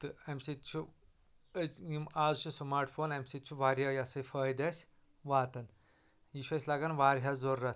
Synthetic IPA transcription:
t̪ɨemsit̪t͡ʃʰu | əzimaːzt͡ʃʰusmaːɾʈfʰoːnɐmsit̪t͡ʃʰuʋaːɾjajɐsɐjfɐːjd̪ɐsʲ | ʋaːt̪ɐn | jiʃuɐsʲlaɡanʋaːɾɦazoːɾːɐt̪

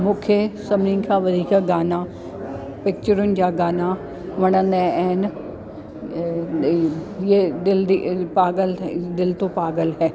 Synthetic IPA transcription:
mʊ̃kʰjəsɐmninkʰaʋɐd̪ʱiːkaɡaːna | pɪk̚t͡ɕəɾʊnɪ̆d͡ʑaːɡaːna | ʋɐɽ̃ənɛ̃ɛːn | jed̪ɪlipaːɡəld̪ɪlt̪opaːɡəlɦɛː

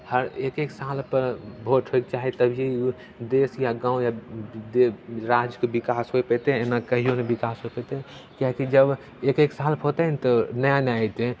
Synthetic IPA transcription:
həɾekeksalpəɾbʱoʈʰɦoek̚t͡ʃaɦit̪əbʱije | d̪esjaɡãːũjad̪eɾad͡ʒjəkebikasɦojpɛt̪eenakəɦijonebikasɦoepɛt̪e | kjakid͡ʒəb | ekeksalpot̪ɛnt̪ɔnəjanait̪e

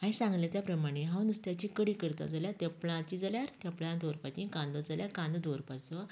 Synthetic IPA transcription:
ãĩsãŋɡljat̪japɾəmaɽ̃eɦãwnust̪jat͡ɕĩkəɽikəɾt̪a̰d͡zaljat̪ɛplãt͡ɕid͡zaljaɾt̪japlãd̪ɔɾpat͡ɕĩkãnd̪ɔd͡zaljaɾkãnd̪od̪ɔɾpat͡sɔ

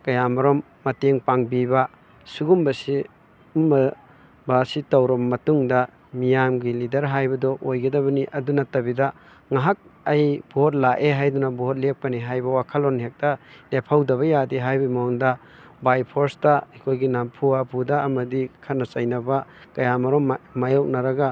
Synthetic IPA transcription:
kɐjamɐɾɔmːɐteŋpaŋbibɐ | suɡumbɐsi | mɐ | basitɐwɾɔmmːɐtuŋdɐ | mijamɡilidɐɾɦajbɐdɔʔojɡɐdɐβɐniʔɐdunɐtːɐbidɐ | ŋaɦak̚ɐjb̥ɔɦot̬̚laʔeɦajdunɐbuɦot̚lek̚pɐniɦajbɐwakʰɐlɔnɦek̚tɐnepʰawdɐβɐjadiɦajbimondɐ | bajpʰoɾstɐɐkʰojɡinampʰuapʰudɐɐmɐdikʰɐtnɐt͡ʃɐjnɐbɐ | kɐjamɐɾɔmmajok̚nɐɾɐɡa

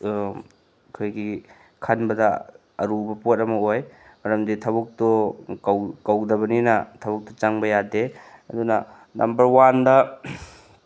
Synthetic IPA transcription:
kʰojɡi | kʰanbɐdɐ | ɐɾubɐpot̚ɐmɐoj | mɐɾɐmditʰɐbuk̚tɔkawkawdɐβɐninɐtʰɐβuk̚tɔt͡ʃaŋbɐjadeɐdunɐ | nʔɐ̰mbɐɾwandɐ

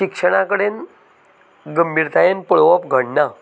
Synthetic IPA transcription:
ɕikʂəɽ̃akəɽen | ɡəmbʱiɾt̪ʰajenpəɭʋapɡʱəɽna

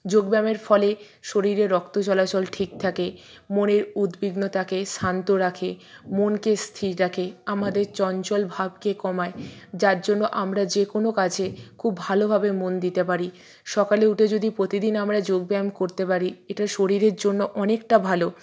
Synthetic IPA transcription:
d͡ʑoɡbɛmeɾfɔle | ʃoɾiɾeɾːɔkt̪ot͡ɕɔlat͡ɕolʈʰik̚t̪ʰake | moneɾud̪biɡnot̪akesʰant̪oɾakʰemonkest̪ʰiɾɾakʰeamad̪eɾt͡ɕɔnt͡ɕolbʱab̚kekɔmaed͡ʑaɾd͡ʑonːoʔamɾad͡ʑekonokat͡ɕʰekʰubːbʱalobʱabemond̪it̪epaɾi | ʃɔkaleuʈed͡ʑod̪ipɾot̪id̪inamɾad͡ʑoɡ̚bɛmkoɾt̪epaɾieʈaʃoɾiɾeɾd͡ʑonːoʔɔnekʈabʱalo

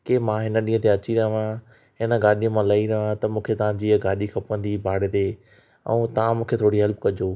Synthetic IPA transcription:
kemãɦɪnə̆ɗĩːə̃t̪eɐt͡ɕiɾɐɦʋã | ɦɪnə̆ɡaːɗijə̃mãlɐiɾɐɦəʋãt̪ɐmũːkʰet̪ɐʋ̤ãd͡ʑiːəɡaːɗixʰɐpə̃nd̪ibʱaːɽed̪eː | ɛ̰̃t̪ɐãmũːkʰet̪ʰoːɽiɦɐlpkɐd͡ʑoː

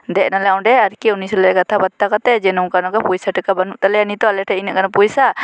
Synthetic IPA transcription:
d̪ɛʔnalɛaw̃ɖɛaɾkɛunisɔlɛɾɛɡat̪ʰabat̪ːakat̪ɛd͡ʒɛnɔ̃kanɔɡapujsaʈikabanuʔt̪alɛanit̪ɔalɛʈʰɛinaʔkanapujsa

